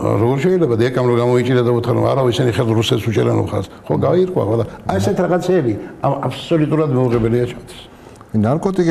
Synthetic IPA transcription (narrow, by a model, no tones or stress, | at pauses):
ɾɔɡɔɾʃɛilɛbad̪ɛkʼamɾɔɡamɔit͡ʃʼiɾad̪aut̪ʰχaɾɔ̰ma̰ɾaɔisɛniχɛɾd̪ɾusɛt̪sut͡ʃʼɛɾɛnɔ̰pχa̰sχɔɡaiɾkʼwa̰kʼwɛlaaɛsɛt̪ʰiɾaʁat̪sʰɛːbiaapʰsɔlut̪ʼuɾad̪mɛuʁɛbɛliat͡ʃʰɛmt̪ʰwi̥s | naɾkʼɔt̪ʼikʼ